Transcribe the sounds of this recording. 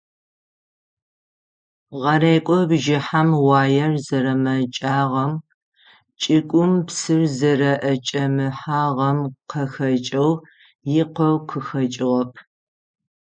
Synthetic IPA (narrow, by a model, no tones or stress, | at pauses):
ʁɐɾeːkʷʼɔbʒɪħamwaːjɐrzɐɾɐmɐt͡ʃʼaːʁɐm | t͡ʃʼɪkʷʼʊmpsɨrzɐɾɐʔɐt͡ʃʼɐmɨħaːʁɐmqʰɐxɐt͡ʃʼɐw | jɪqɐwqʰəxɐt͡ʃʼɪʁɐpʰ